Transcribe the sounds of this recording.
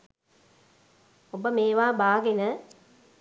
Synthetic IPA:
obəmeːʋaːbaːɡenə

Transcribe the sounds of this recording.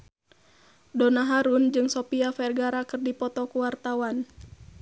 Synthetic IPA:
dɔnaɦaɾund͡ʒɨŋsɔpiafɛrɡaɾakɨrdipɔt̪ɔkuwart̪awan

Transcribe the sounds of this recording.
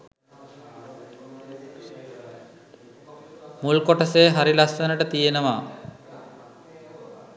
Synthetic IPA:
mulkɔʈaseːɦaɾilastənəʈət̪ijenəʋa

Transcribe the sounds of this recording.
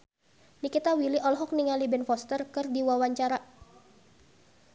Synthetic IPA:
nikit̪awiliʔɔlɦɔk̚niŋalibɛnfɔst̪ərkɨrdiwawaɲt͡ʃaɾa

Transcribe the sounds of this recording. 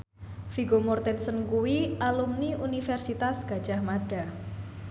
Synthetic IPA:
fiɡomɔrt̪ɛnsənkuwiʔalumniunifɛrsit̪asɡ̥a̤d̥ʒ̥ahmaɖ̥a̤

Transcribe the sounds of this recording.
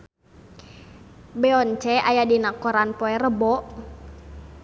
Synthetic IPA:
bɛɔnt͡ʃɛʔajadinakɔɾanpoɛrəbɔʔ

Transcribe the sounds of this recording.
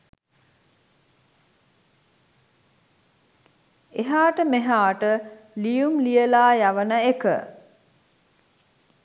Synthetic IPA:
eɦaːʈəmeɦaːʈəlijumlijəlaːjaʋənəekə̰

